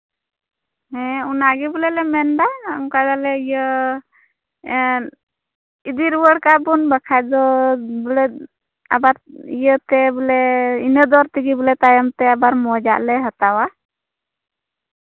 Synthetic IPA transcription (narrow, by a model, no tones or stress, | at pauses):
hɛunaɡibulɛlɛmɛnd̪a̰ŋkad̪alɛijə | id̪iɾwəɽkabunbakʰajd̪ɔbəlɛ | a̰baɾijət̪ɛbəlɛinəd̪ɔɾt̪iɡibəlɛt̪ajəmt̪ɛabaɾmɔd͡ʒa̰ʔlɛɦət̪awa